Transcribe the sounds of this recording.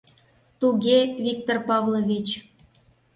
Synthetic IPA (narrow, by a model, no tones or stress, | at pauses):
t̪uɡʲevʲik̚t̪orpɑvlˠovʲit͡ɕ